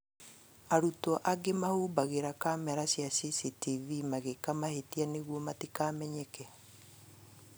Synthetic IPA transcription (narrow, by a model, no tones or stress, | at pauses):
aɾutɔʔaɡemahubaɣeɾakamɛɾasjasisitivimaɣekamahetianeɣwɔmatikaːmɛɲɛkɛ